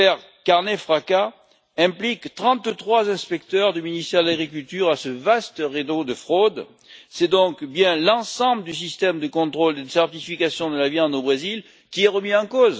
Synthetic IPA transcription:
ɛʁ | kaʁnɛfχaka | ɛ̃plikt̪χɑ̃t̪t̪χwazɛ̃spɛk̚t̪œʁd̪yminist̪ɛʁd̪əlaɡʁik̬ylt̪yʁasəvast̪ʁed̪od̪əfχod̪ | sɛd̪ɔ̃kbjɛ̃lɑ̃sɑ̃bləd̪ys̬ist̪ɛmd̪əkɔ̃t̪χold̪ed̪əsɛʁt̪ifikasjɔ̃d̪əlaviɑ̃d̪obʁezil | kʲiɛʁəmiɑ̃koz

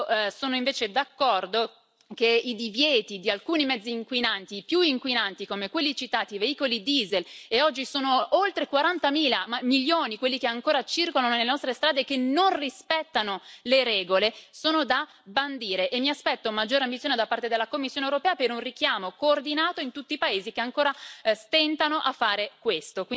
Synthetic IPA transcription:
soːnoiɱveːt͡ʃed̪akːɔrd̪o | keid̪ivjɛːt̪id̪ialkuːnimɛd̪zːiːŋkwinant̪ipjuiŋkwinant̪ikomekwelːit͡ʃit̪aːt̪iveiːkolid̪iːzeleɔd͡ʒːisoːnoolt̪ɾekwaɾant̪amiːlamamilːjoːnikwelːikeaŋkoːɾat͡ʃirkolanonelenɔst̪ɾest̪ɾaːd̪ekenonrispɛt̪ːanoleɾɛːɡolesoːnod̪a | band̪iːɾeʔemːiaspɛt̪ːomad͡ʒːoːɾeambit̪sjoned̪apːart̪ed̪elːakomːisːjonewɾopɛːapeɾunrikjaːmokoːrd̪inaːt̪oint̪ut̪ːiːpaeːzikeaŋkoːɾast̪ɛnt̪anoʔafːaːɾekwest̪ok

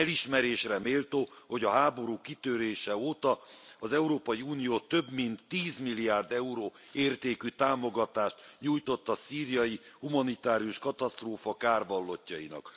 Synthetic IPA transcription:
ɛliʃmɛɾeːʃrɛmeːlt̪oːho̞ɟɒɦaːbo̞ɾuːkːit̪øɾeːʃɛoːt̪ɒɒzɛuɾoːpɒjiunijoːt̪ø̞bmint̪ːiːzmilːiaːrd̪ɛuɾoː | eːrt̪eːkyt̪aːmoɡɒt̪aːʃt̪ɲuːjt̪o̞t̪ːɒsiːrijɒjihumɒnit̪aːɾijuʃkɒt̪ɒst̪roːfɒkaːrvɒlːo̞cːɒinɒ̰k

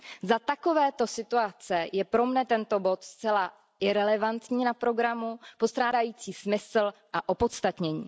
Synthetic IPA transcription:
zat̪ako̞vɛːt̪o̞sɪt̪uat͡sɛjɛpɾo̞mnɛt̪ɛnt̪o̞bo̞t̪st͡sɛla | ʔɪɾɛlɛvant̪ɲiːnapɾo̞ɡɾamupo̞st̪ɾaːdajiːt͡siːsmɪsl̩ʔaʔo̞po̞t̪st̪at̪ɲɛɲḭː

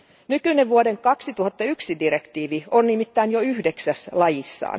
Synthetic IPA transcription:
nykyneʋʋuodeŋkɑksit̪uhɑt̪ːɑyksidirekt̪iːʋionnimit̪ːæinjoyhdeksæslɑjisːɑ̰ːn

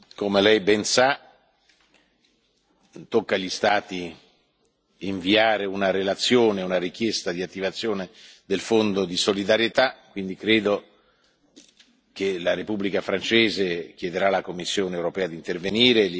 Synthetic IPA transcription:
komelɛjbɛnsa | t̪okːaʎist̪aːt̪i | iɱviaːɾeunaɾelat̪sːjoːneunaɾik̟jɛst̪ad̪iat̪ːivat̪sːjoːned̪elfond̪od̪isolid̪aɾjet̪akːwind̪ikɾeːd̪o | k̟elaɾepubːlikafɾant͡ʃɛːzek̟jɛd̪eɾalakomːisːjoːnewɾopɛːad̪int̪erveniːɾel

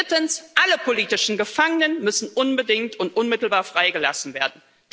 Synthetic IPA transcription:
tənsʔaləpʰoliːtɪʃn̩ɡəfaŋənənmʏsn̩ʔʊnbədɪŋtʊntʔʊnmɪtl̩baːɐfʁ̥aɪɡəla̰sn̩veːɐdn̩ | d̥

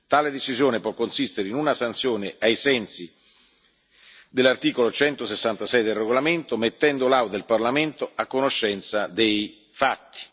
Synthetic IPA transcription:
t̪aːled̪et͡ʃizjoːnepwɔkːonsist̪eɾeinunasant̪sjoːneajsɛnsi | d̪elːart̪iːkolot͡ʃɛnt̪osesːant̪asɛjd̪elreɡolament̪omet̪ːɛnd̪olawd̪elparlament̪oakːonoʃːɛnt̪sad̪ej | fat̪ːi̥

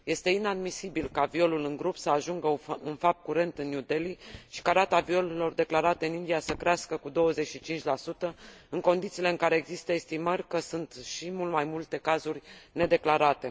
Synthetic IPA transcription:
je̞st̪e̞inad̪misibilkavio̞lulɨŋɡɾupsəaʒuŋɡəɨnfap̚t̪̚kuɾe̞nt̪ɨnjud̪e̞liʃi̥kaɾat̪avio̞lelo̞rd̪e̞klaɾat̪eɨnind̪ijasəkɾeaskəkud̪o̞wəze̞t͡ʃʃit͡ʃint͡ʃʲlasut̪əɨŋko̞nd̪it̪sile̞ɨŋkaɾe̞ːɡzist̪əest̪imərʲkəsunt̪ʃimult̪majmult̪e̞kazurʲne̞d̪e̞klaɾat̪e̞

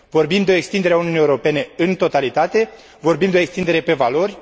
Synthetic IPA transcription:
vo̞rbimd̪eo̞ekst̪ind̪eɾeauniuniewuɾo̞pe̞ne̞ɨnt̪o̞t̪alit̪at̪e̞ | vo̞rbimd̪eo̞ekst̪ind̪e̞ɾe̞pe̞valo̞rʲ

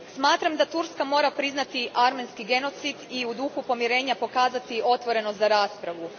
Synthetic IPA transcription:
ssmaːt̪ɾamd̪at̪uɾskamo̞ːɾapɾiznat̪iʔaɾme̞nskiɡe̞no̞t̪sid̪iud̪uxupo̞mjeɾe̞ːɲapo̞kaːzat̪iʔo̞t̪ʋo̞ɾe̞nozaɾaːspɾaʋu

